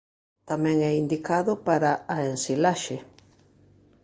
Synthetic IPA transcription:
t̪amɛ̃ŋɛind̪ikaðʊpaɾaːensilaʃe

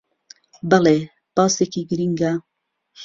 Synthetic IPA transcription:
bale | pɑːsekiːɡɨɾiŋɡa

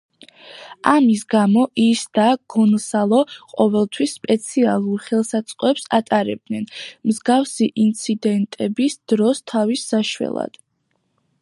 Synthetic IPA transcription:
amisɡamɔʔisd̪aɡ̥ɔnsalˠɔqʼɔvɛlˠt̪ʰwisːpʼɛt̪sʰialˠuɾχɛlˠsat̪sʼqʼɔɛpsat̪ʼaɾɛ̰b̚d̪nɛnmzɡafsiʔint̪sʰid̪ɛnt̪ʼɛbisd̪̥ɾɔst̪ʰavisːaʃwɛ̰lˠa̰d̪̥

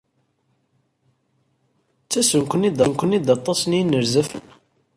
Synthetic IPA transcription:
t͡sːæsənkʷənid̪ɑnkʷənid̪ɑt̪ˤːɑsnjnːəɾzəf

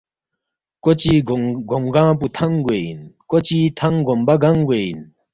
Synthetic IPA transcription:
kot͡ɕiɡoŋɡãːp̬ut̪ʰɐŋɡejinkot͡ɕit̪ʰɐŋɡombaɡɐŋɡein

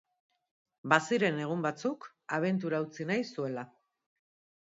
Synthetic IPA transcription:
basiɾe̞ne̞ɣ̞umbat͡suk | aβ̞e̞nt̪̬uɾaut͡sinajsue̞la

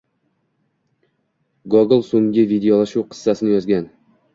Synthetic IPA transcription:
ɡoɡɪlˠsoŋɡʲɪvid̪eolˠaʃuwqʰɨ̥sːasɪnɪjɒzɡʲan

